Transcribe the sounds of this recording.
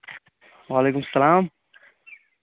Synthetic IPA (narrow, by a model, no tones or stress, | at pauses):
waːleːkʊmsːɐlaːm